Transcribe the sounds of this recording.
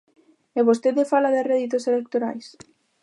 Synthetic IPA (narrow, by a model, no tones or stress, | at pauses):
eβost̪eðefalaðereðit̪oselek̚t̪oɾa̰js